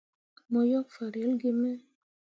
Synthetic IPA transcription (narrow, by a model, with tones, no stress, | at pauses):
mɔ˨jɔ˦k̚fa˨ɾe˨˦lɡɪ˦mɛ˦